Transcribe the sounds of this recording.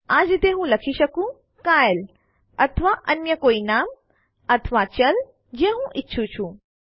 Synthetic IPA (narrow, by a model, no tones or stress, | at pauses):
aːd͡ʑt̪eːɦũlɐkʰiʃɐkũ | kaːjl | ɐt̪ʰəʋaʔɐnjəkoːinaːm | ɐt̪ʰəʋat͡ɕɐl | d͡ʒẽɦũʔɪtːʃʰũt͡ʃʰũ